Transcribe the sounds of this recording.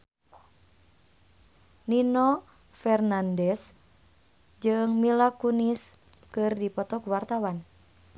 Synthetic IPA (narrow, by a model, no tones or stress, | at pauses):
ninɔ | fɛrnandɛs | d͡ʒɨŋmilakuniskɨrdipɔt̪ɔkuwart̪awan